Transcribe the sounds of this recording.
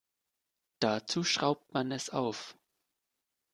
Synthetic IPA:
d̥at͡suːʃʁ̥aʊp̚tmanɛsaʊf

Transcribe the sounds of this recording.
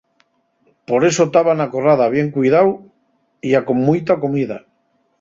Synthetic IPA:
po̞ɾe̞sot̪aβanakorað̞aβ̞jeŋkujðaw | iakoŋmujt̪akomiða̰

